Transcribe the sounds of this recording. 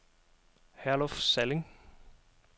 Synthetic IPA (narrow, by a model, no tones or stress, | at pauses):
hæɐlɔfsɛlɪŋ